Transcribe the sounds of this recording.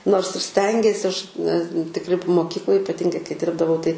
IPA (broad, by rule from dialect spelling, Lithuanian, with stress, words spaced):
noːrs ɪr ˈsʲtʲɛŋʲɡʲiɛsʲɪ ˈɐʃ nʲɛ tʲɪkˈrʲɪ p moːˈkʲiːklˠoːj ɪpɐˈtʲɪŋɡɐɪ kɐɪ ˈdʲɪrbdɐʋɐʊ tɐɪ